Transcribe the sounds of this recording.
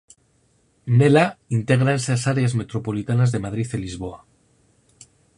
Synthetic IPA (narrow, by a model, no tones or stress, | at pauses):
ne̞laint̪e̞ɣ̞ɾanesasaɾeazme̞t̪ɾo̞po̞lit̪anazðe̞mað̞ɾiθelizβo̞a